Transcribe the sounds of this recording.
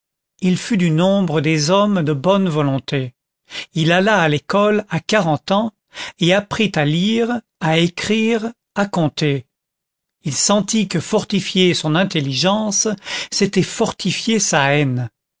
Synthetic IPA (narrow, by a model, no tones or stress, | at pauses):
ilfyd̪ynɔ̃bʁəd̪ezɔmd̪əbɔnvɔlɔ̃t̪e | ilalaːlekɔlakaʁɑ̃t̪ɑ̃ | eapχit̪aliʁ | aekχiʁ | akɔ̃t̪e | ilsɑ̃t̪ikəfɔʁt̪ifjesɔ̃nɛ̃t̪eliʒɑ̃sːet̪ɛfɔʁt̪ifjesaɛn